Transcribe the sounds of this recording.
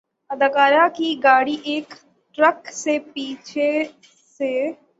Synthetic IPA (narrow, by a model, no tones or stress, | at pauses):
ɐd̪əkaːɾakiɡaːɽiʔeːk | ʈɾəksepiːt͡ʃʰe | se